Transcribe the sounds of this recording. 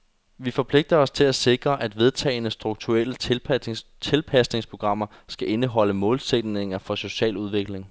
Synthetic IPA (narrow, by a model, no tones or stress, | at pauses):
ʋifɒ̽pʰle̝ɡ̥̚d̥ɐɒ̽st͡sʰe̝læse̝ɡ̥ʁɐʔæd̥ʋe̝ð̞ˠt͡sʰɛ̰ːɪnəsd̥ʁuɡ̥̚t͡sʰuelə | t͡sʰe̝lpʰæsne̝ŋspʰo̝ɡ̥ʁɑ̈m̰ɐ | sɡ̥æʔe̝nəɦɒ̽ləmɔ̽ːlsed̥ne̝ŋɐfɒ̽so̝ɕɛ̰ːluð̞ˠʋe̝ɡ̥le̝ŋ